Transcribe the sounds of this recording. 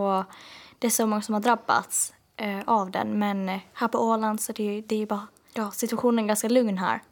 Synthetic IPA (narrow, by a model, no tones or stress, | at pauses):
ɔd̪̥ɛæʂɔmɔŋːasɔmhaɖɾabːa̰t̪s | ʔavd̪ɛ̰nmɛnhæːɾpʰɔoːland̪sɔd̪ɛd̪ɛːjbɑːɾa | sɪt̪ɵaɧuːnənɛɾɡanskalɵŋnɦæ̰ːɾ